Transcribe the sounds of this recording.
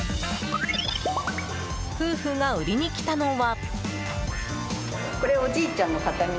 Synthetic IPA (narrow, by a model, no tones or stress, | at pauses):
ɸɯ̟ːɸɯɡaɯ̟ɾʲiɲ̟ikʲi̥t̪ano̞βa | ko̞ɾe̞o̞d͡ʑiːt͡ɕãnːo̞kat̪aɲ̟i